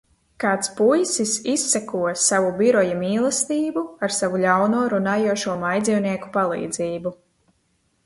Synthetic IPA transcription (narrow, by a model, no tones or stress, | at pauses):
kaːt̪spujsisisːakuɔsavubiɾɔjamiːlˠɛst̪iːbuaɾsavulʲawnuːɔɾunaːjuɔʃuɔmajd̪ziwniɛku̥palˠḭːd̪ziːbu